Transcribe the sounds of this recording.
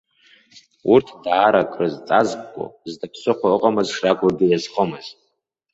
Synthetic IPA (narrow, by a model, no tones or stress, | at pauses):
urtʰdʕaɾakʼrɨzt͡sʼazb̚ʼkʷʼo̰zdɨpʰsʷʰʼɨχʷaɨqʼamɨzʂrakʷʼʊrɡʲɪjazχəmɨz̥